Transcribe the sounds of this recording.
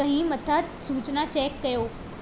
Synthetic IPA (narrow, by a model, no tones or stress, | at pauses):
ɐ̃ɦĩmɐt̪ʰa | suːt͡ɕnat͡ɕɛːkːɐjoː